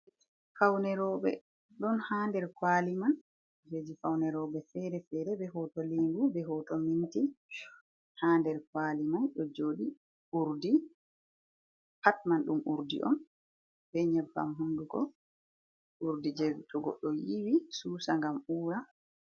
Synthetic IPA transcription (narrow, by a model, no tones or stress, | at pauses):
fawnɛɾɔɓɛ̰ | ɗɔnhaːndɛɾkwaːliman | d͡ʒed͡ʒifawnɛɾɔɓɛfɛɾɛfɛɾɛbɛhɔtɔliŋɡubɛɦɔtɔminti | handɛɾkwaːlimanɗɔd͡ʒoːɗi | ʔuɾdi | patmanɗumʔuɾdḭʔɔ̰n | bɛɲɛbːa̰mɦunduɡɔ̰ | ʔuɾdid͡ʒɛɡutʰɔɡɔ̰ɗːɔjiwisuːsaŋɡamuːɾa